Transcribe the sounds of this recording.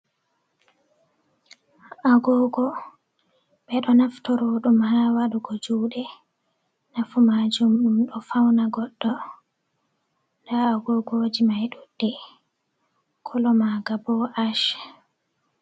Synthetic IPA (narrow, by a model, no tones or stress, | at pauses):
ʔaɡɔɡɔ | ɓɛɗɔnaftɔɾɔɗumhawaɗuɡɔd͡ʒuːɗɛ | nafumad͡ʒumɗumɗɔfawnaɡɔɗːɔ | ndaːɡɔɡoːd͡ʒimajɗud̥ːɛ | kʰɔlɔmaɡabɔʔaʃ